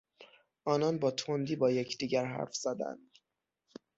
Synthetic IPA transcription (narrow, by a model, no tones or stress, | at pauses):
ʔɒːnɒnbɒːt̪ʰond̪iːbɒːjecʰd̪iːɟæɾɦæ̰ɾfz̥æd̪æ̰nd̪̥